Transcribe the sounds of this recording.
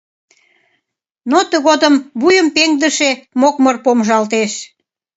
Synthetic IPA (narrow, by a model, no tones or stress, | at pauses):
not̪əɣod̪əmβujəmpeŋd̪əʃemokmərpomʒɑlt̪eʃ